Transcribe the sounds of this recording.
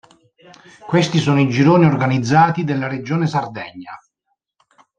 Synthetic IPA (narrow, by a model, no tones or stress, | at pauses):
kwest̪isɔːnoid͡ʒiɾoːniorɡanid̪zːaːt̪id̪elːaɾed͡ʒoːnesard̪ɛɲːa̰